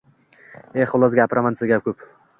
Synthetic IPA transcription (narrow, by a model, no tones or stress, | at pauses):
eχʊlˠɒzɡʲapɾʔamansɪzɡʲap̚kʰʲɵp